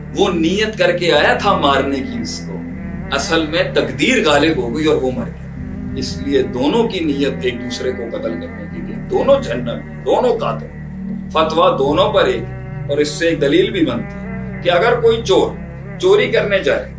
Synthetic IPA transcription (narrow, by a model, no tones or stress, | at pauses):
ʋoːniːjət̪kɐɾkeaːjat̪ʰamaːɾnekiɪsko̰ | ɐsəlmẽt̪ɐkd̪iːɾɣaːlɪbɦoɡiɔːɾʋomɐɾeɡ | ɪslied̪oːnõkiniːjət̪eːk̚d̪uːsɾekoqɐt̪əlkɐɾnekiliḛd̪oːnõd͡ʒʱɐnːəbẽd̪oːnõka̰ːt̪õ̰ | fɐt̪wad̪oːnõpɐɾeːk | ɔːɾɪsːeːk̚d̪ɐliːlbʱibɐnt̪iɛ | keɐɡəɾkoːit͡ʃoːɾ | t͡ʃoːɾikɐɾned͡ʒaːeː